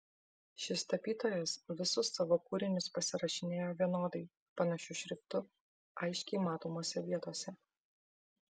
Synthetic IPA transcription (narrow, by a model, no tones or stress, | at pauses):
ʃʲɪst̪ɐpʲiːt̪oːjɛsʋʲɪsʊsːɑʋokuːɾʲɪnʲʊspɐsʲɪɾɐʃʲɪnʲeːjoːʋʲiɛnoːd̪ɐɪ | pɐnɐʃʲʊʃʲɾʲɪkt̪ʊ | ɐɪʃʲkʲɛɪmɑːt̪oːmoːsʲɛʋʲiɛt̪oːsʲɛ